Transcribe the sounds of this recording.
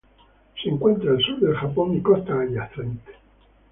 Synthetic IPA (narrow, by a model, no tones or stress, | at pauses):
siŋkwent̪ɾaalsud̪elxapːonikɔst̪aːlaθanit̪